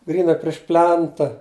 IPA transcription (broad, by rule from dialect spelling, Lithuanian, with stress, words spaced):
ˈɡrʲiːnɐ pʲrʲɪʃ ˈpʲlʲɛntɐ